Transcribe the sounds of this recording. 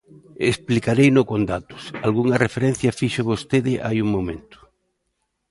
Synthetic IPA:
esplikaɾejnʊkond̪at̪ʊ̥salɣuŋɐrefeɾɛn̟θjɐfiʃoβost̪eðɪʔa̰juŋmomḛ̃nt̪ʊ̥

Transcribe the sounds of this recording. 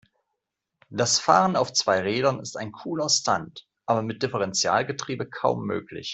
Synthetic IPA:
d̥asfaːʁənaʊft͡sv̥aɪʁeːdɐnɪstaɪnkʰuːlɐstʰant | ʔaːbɐmɪt̚d̥ɪfəʁ̞ɛnt͡sja̰ːlɡətʁ̥iːbəkʰaʊmːø̰ːklɪ̰ç

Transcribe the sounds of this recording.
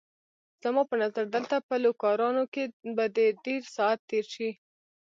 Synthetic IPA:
z̥amɑpənazaɾd̪əlt̪apəlokɑɾɑnokebad̪əɖeɾsɑat̪ːeɾʃi

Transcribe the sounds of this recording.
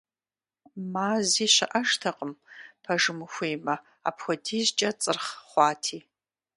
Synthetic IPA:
maːziːɕɪ̰ʔɐʂtʰɐqʼəmpʰɐʒɨmɨxʷeːmɐ | a̰ːpʰxʷɔdʰiːzt͡ʃʼɐt͡sʼɨrχχʷɑːtʰiː

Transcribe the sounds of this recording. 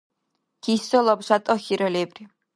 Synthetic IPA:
kʰisɔlɔbɕʷat̪ʼɔxiɾɔlɛbri

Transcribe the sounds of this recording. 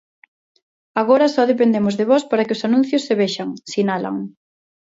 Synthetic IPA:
aɣ̞oɾɐsɔðepend̪emʊzðeβɔspaɾɐkɪosanũn̟θjosːeβeʃaŋsinala̰ŋ

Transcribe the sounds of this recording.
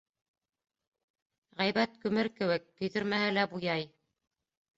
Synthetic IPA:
ʁæjβæt̪̚kʉmɘɾkɘ̆wɘk̚t̪ɵ̆jðɵ̆ɾmæhɘlæbujɑj

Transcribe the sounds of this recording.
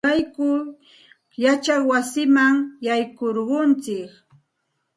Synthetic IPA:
ajkʊ | jat͡ʃawasɪmaŋjajkoɾɢʊnt͡sɪk

